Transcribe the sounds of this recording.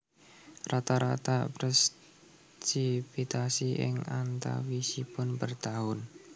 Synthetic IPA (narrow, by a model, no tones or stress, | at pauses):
rat̪aɾat̪apɾɛs | sipit̪asiʔɪ̰ŋant̪a̰wisipʊnpərt̪aɦʊn